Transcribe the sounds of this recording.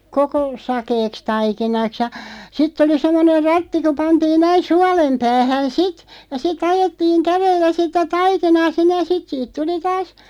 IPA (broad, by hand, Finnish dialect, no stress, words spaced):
koko sɑkeːks tɑikinɑks jɑ sitˑ oli semˑoner̆ rɑtːi ku pɑntiːn næin̞ suɑlem pæːhæn sit jɑ sit ɑjetːiːŋ kærelːæ sitæ tɑikinɑː sinːej̆ jɑ sit siːt tuli tɑːs